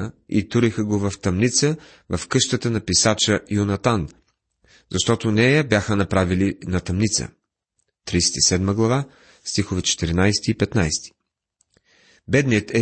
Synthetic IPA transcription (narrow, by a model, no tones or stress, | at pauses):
əḭt̪uɾixəɡovɐft̪ɐmnit̪sə | vɐfkɤʃt̪ət̪ənɐpisat͡ʃəjʊnɐt̪an | zɐʃt̪ɔt̪onɛjəbjaxənɐpɾavilinɐt̪ɐmnit̪sə̰ | t̪ɾijsɛ̥t̪isɛd̪məɡlˠɐva | st̪ixovɛt͡ʃɛ̥t̪iɾinajsɛ̥t̪iːpɛt̪najst̪i̥ | bɛd̪nijət̪ɛ